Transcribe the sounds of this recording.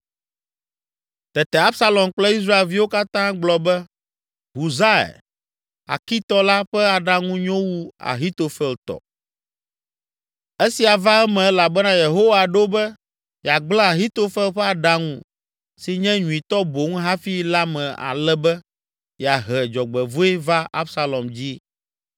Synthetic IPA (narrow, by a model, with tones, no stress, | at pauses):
t̪ɛ˨t̪ɛ˨a˦bsa˦lɔ˨mk͡plɛ˦i˦s̬ɾa˦e˨lvi˦wo˦ka˦t̪ã˦ɡ͡blɔ˨bɛ˦ | ɦu˨za˦ɛ̰˨ | a̰˨ki˦t̪ɔ˦la˦ɸɛ˦a˨ɖa˦ŋũ˦ɲɔ̃˦wu˦a̰˨ɦi˦t̪o˨fɛ˦lt̪ɔ̰˨ | e˦si˨a˨va˦ɛ˦mɛ̃˨ɛ˦la˨bɛ˦nã˦je˨ɦo˦wa˨ɖo˦bɛ˦ | ja˨ɡ͡blɔ̃˦a˨ɦi˦t̪o˦fɛ˦lɸɛ˦a˨ɖa˦ŋṵ̃˦ | si˨ɲɛ̃˦ɲũ˨ĩ˨t̪ɔ˦bo˨ŋũ˦ɦa˦fi˦la˦mɛ̃˨a̰˨lɛ˦bɛ˦ | jɛ˨a˨ɦɛ˨d͡ʒɔ˨ɡ͡bɛ˨vo˦e˦va˦ʔa̰˦fsa˦lɔ˨md͡ʑi˦